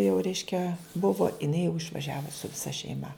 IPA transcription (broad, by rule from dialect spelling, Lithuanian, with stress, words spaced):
jɛʊ ˈrʲɛɪʃʲkʲɛ ˈbʊʋoː ɪˈnɐɪ jɛʊ ɪʃʋɐˈʒʲæːʋʊ sʊ ʋʲɪˈsɐ ʃʲɛɪˈmɐ